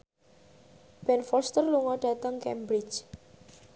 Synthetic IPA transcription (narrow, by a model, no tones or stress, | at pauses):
b̥ɛnfɔst̪ərluŋɔɖ̥a̤t̪əŋkɛmbɾɪ̥t͡ʃ